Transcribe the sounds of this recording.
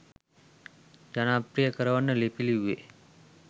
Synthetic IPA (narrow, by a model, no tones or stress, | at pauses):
d͡ʒanaːpɾijəkəɾəʋanːəlepiliuʋe